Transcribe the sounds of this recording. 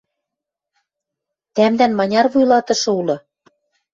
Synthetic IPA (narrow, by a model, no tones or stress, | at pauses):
t̪æmd̪ænmɑnʲɑrβujlɑt̪ɤ̆ʃɤ̆ulɤ̆